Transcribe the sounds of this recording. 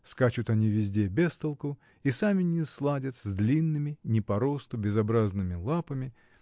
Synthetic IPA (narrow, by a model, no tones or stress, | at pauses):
skat͡ɕʊt̪ɐnʲivʲɪzʲdʲebʲest̪ɐlˠkʊ | isamʲɪnʲɪslˠadʲɐt̪z̥ʲd̪lʲinːɨmʲɪnʲɪpɐɾo̞st̪ʊbʲɪzɐbɾaznɨmʲɪlˠapəmʲɪ